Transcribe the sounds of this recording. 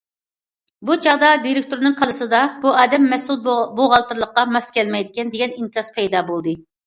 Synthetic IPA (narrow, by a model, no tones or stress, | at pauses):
but͡ʃʰɑʁd̪ɑd̪iɾɪk̚ʲt̪uɾnɨŋqʰɑlˠɨsɨd̪ɑbuɑːd̪ɛmːɛsulˠboʁɑlˠt̪ɨɾlˠəqːɑmɑskʲʰɛlmɛjd̪ɪkʲɛnd̪eɡʲɛniŋkʰʲɑspʰɛjd̪ɑːbolˠd̪ɨ